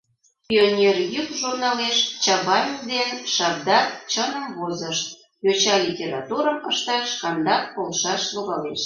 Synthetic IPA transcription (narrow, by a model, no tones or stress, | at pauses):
pionʲerjykʒurnɑleʃt͡ɕɑβɑjəvd̪enʃɑb̚d̪ɑkt͡ɕənəmβozəʃt̪̚ | jot͡ɕɑlʲitʲeɾɑt̪uɾəməʃt̪ɑʃkɑnd̪ɑk̚polˠʃɑʃloɣɑleʃ